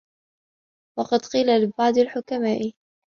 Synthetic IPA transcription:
wɑqɑd̪qiːlalɪbɑʕd̪ˤɪlħʊkamaːʔ

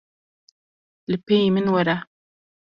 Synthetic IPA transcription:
lɪpːejimɪnwaɾa

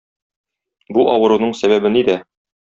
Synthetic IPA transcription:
buʔɒwɤ̆ɾunɤɴsæβæbɘnid̪æ

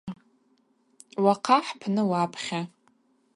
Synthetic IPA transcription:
waqʰaħpʰnɨwapʰχʲa

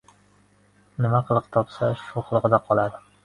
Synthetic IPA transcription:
nɪmaqʰɨlˠɨqt̪ʰɒpsaʃuqʰɨlˠɨqɨd̪aqʰɒlˠad̪ɪ

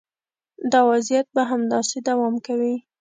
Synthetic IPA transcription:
d̪ɑwazjat̪̚baɦamd̪ɑsed̪awɑmkawi

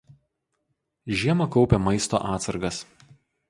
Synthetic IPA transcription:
ʒʲiɛmɐkɒʊpʲɛmɐɪst̪o̰ːʔɑːt̪sɐɾɡɐs

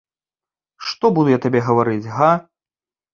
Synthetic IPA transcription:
ʂt̪ɔbud̪ujat̪abʲɛɣɐvaɾɨd͡zʲɣa

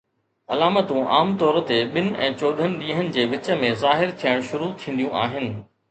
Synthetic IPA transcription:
ɐlaːmət̪ũʔaːmt̪ɔːɾt̪eɓɪnɪ̆ɛ̰̃ːt͡ɕoːɗ̪ʱənɪ̆ɗĩːɦənɪ̆d͡ʑeːʋɪt͡ɕə̆mẽzaːɦɪɾt̪ʰijəɽ̃ʃʊɾut̪ʰĩːn̆d̪jũʔa̰ːɦɪnɪ̆

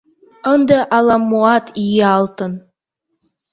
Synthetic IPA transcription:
ənd̪əʔɑlˠɑmːuɑt̪ʰijeɑlˠt̪ɤ̆n

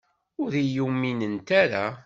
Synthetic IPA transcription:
ʊðijumːinənt̪aɾa

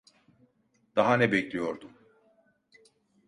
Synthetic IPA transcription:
d̪̥aɦanɛbɛclʲijo̞ɾd̪um

